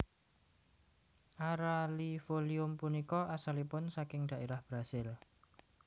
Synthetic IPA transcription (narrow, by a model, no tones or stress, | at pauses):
ʔaɾalifoliʊmpunikɔʔasalipʊnsakɪŋd̪̥a̤ʔeɾahb̥ɾasɪl